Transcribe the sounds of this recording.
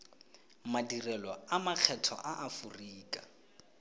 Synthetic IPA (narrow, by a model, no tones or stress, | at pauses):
madirɛlɔamaq͡χʰɛtʰɔ̰ʔaʔafuriːkʼa